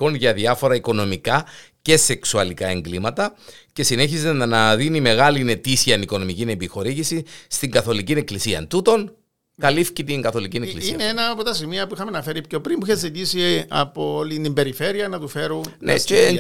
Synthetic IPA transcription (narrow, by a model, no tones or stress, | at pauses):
konʝɐðiɐfo̞ɾɐiko̞no̞mikɐce̞se̞ksuɐlikɐe̞ŋɡlimɐt̪ɐce̞sine̞çizennɐðinime̞ɣɐline̞t̪isiɐniko̞no̞micinembixo̞ɾiʝisist̪iŋɡɐθo̞licine̞klisiɐ̰nt̪ut̪o̞n | kɐlifcit̪iŋɡɐθo̞licineklisiineenɐpot̪ɐsimiɐpuixɐmenɐfe̞ɾipco̞pɾimbuiçezit̪isiɐ̰poolit̪imbe̞ɾife̞ɾiɐnɐt̪ufe̞ɾunnḛe